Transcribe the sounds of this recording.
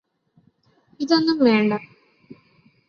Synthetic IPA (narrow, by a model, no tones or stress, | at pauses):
iðo̞nːumʋe̞ːɳɖɐ